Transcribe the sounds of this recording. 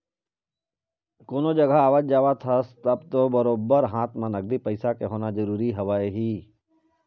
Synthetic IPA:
koːnod͡ʒɐɡaaːʋaːd͡ʒd͡ʒaːʋat̪ʰəst̪ɐbt̪obɐɾoːbəɾɦãːt̪mãnɐɡ̚d̪ipəɪsakeɦoːnad͡ʒɐɾuːɾiɦɐʋaːeɦiː

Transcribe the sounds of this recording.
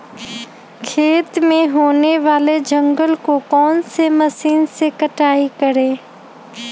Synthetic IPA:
kʰeːt̪mẽɦoːneʋaːled͡ʒə̃ŋɡəlkokɔːnsemɐsiːnsekəʈaːikəɾeː

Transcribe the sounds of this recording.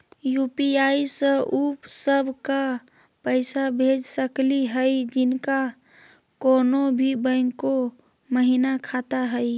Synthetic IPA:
jupiaisə̃upsəbʱka | pəɪsabʱed͡ʒsəkliɦəjd͡ʒɪnka | konobʱibə̃ŋko | məɦinakʰat̪aɦəj

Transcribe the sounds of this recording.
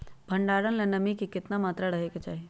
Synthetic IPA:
bʱəɳɖaːɾənlenɐmikikɪt̪namaːt̪ɾaɾəɦeket͡ʃaːɦi

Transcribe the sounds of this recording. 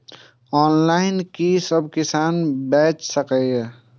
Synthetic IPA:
ɔːnlaɪnkisəbkɪsaːnbɛːt͡ʃsəkɛjɛ

